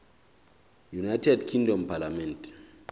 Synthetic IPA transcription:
junajtʰɛdkʰĩŋdɔ̃mpalamɛ̃nt

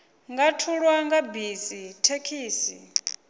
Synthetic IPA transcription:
ŋɡatʰuɺwaŋɡabisitʰekʰiːsi

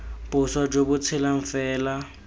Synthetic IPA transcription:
pʼʊswad͡ʒobʊt͡sʰɪlaɱ̩fɛːla

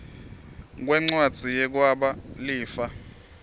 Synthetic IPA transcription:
k̬wɛŋ͡ǀwad̥ʱijɛk̬waɓaliːfa

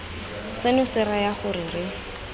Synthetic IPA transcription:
sɪnʊsɪɾajaχʊɾɪrɪ

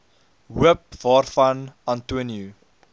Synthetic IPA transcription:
ɦuəp̚vɑːrfɐnantuənju

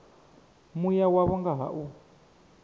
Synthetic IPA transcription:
mujawaβɔŋɡaɦa̰ʔu

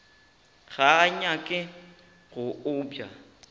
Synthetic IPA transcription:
ɣaɲakʼɪ | ɣʊʊbja̰

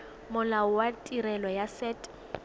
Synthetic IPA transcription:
mʊlaʊwatʼiɾɛlɔjasɛːtʼ

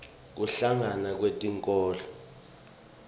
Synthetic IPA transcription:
k̬uɬaŋanak̬wetʼiŋkʼɔːlɔ

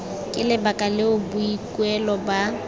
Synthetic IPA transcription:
kʼɪlɪbakʼalɪʊbʊikʼwɛlɔba

